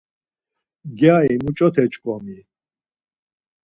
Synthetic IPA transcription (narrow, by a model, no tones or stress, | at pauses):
ɡjaimut͡ʃʼɔt̪ʰɛt͡ʃʼkʼɔmi